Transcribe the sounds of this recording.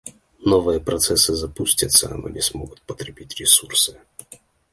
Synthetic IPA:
novɨjəpɾɐt̪sɛsɨzɐpusʲtʲət̪səɐ̰no̰nʲɪsmoɡʊt̪̚pət̪ɾʲɪbʲitʲɾʲɪsursɨ

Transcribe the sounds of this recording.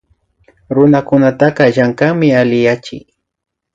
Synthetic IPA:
ɾʊnakʊnat̪aqɑʒaŋkamɪalɪjat͡ʃɪ̰j

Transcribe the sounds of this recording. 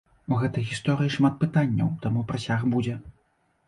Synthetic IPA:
uɣɛt̪ɐjɣʲist̪ɔɾɨjiʂmat̪̚pɨt̪anʲːɐ̰wt̪amupɾasʲaɣbud͡zʲɛ

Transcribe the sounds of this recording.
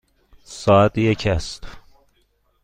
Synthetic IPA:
sɒːæt̪ʰjecʰæst̪ʰ

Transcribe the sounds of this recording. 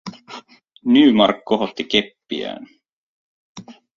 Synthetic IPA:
nyːmɑrkːo̞ɦo̞t̪ːike̞pːiæ̰ːn

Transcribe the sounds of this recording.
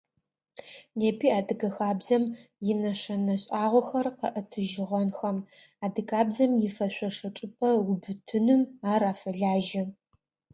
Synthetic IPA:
neːpʰiːaːdɨɡɐxaːbzɐmjɪnɐɕɐnɐɕʼaːʁʷɔxɐrqɐ̰ʔɐtʰɨʒɪʁɐnxɐm | aːdɨkʰʼaːbzɐmjɪfɐɕʷɔʂɐʈ͡ʂʼɨpʰʼɐwʊbɨtʰɨnɨmaːɾaːfɐɮaːʒɪ

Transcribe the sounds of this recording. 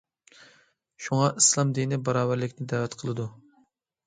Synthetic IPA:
ʃuŋɑʔislˠɑmd̪ijnɪbɑɾɑːvæɾlɪkʲnɪd̪ævɛt̪qʰəlˠɨd̪u

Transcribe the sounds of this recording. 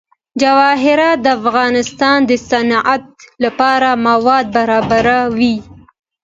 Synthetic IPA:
d͡ʒawɑɦɪɾɑd̪əafɣɑnɪst̪ɑnd̪əsanʔat̪̚lapɑɾamawɑd̪̚baɾɑbaɾawi

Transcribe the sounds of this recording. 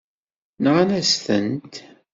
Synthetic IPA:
nʁanæsθənt̪

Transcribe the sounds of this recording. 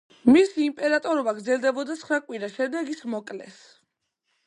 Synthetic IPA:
misiːmpʼɛɾat̪ʼɔɾɔbaɡɾd̪zɛlˠd̪ɛbɔd̪at̪sχɾakʼwiɾaʃɛd̪ɛɡismɔkʼlɛ̰s

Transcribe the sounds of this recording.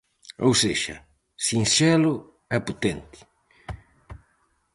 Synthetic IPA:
owseʃa̰ | sinsɛlʊ | ɛpot̪ẽnt̪ɪ̥

